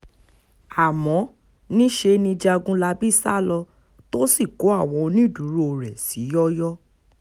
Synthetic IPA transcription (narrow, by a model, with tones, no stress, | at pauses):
a˨mɔ̃˨˦ | nĩ˦ʃe˧nĩ˧d͡ʒa˧ɡũ˦la˧bi˦˨sa̰˦lɔ˧ | to˦si˦˨ko˨˦a˦˨w̃ɔ̃˧nĩ˦˨du˨˦ɾu˦o˨ɾɛ˨si˨˦jɔ˦jɔ˦